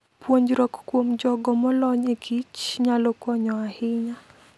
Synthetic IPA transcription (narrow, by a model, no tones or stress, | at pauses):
pwoɲd͡ʒɾɔkkwomd͡ʒɔɡɔmɔlɔɲekʰit͡ʃɲalɔkwɔɲɔahiɲa